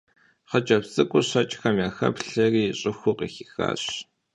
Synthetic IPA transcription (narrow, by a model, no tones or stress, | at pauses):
χət͡ʃʼɐpsʼɨkʷʼʊɕɐt͡ʃʼxɐmjaːxɐ̰pɬɐriːɕʼɪxʷʊqʼḭxixa̰ːɕ